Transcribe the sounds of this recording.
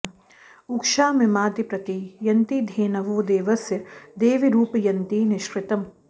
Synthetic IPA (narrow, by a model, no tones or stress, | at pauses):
ukʃaːmimaːt̪ipɾɐt̪ijɐnt̪id̪ʱeːnɐʋoːd̪eːʋɐsjɐd̪eːʋiɾuːpjɐnt̪inɪʃɾɪt̪ɐm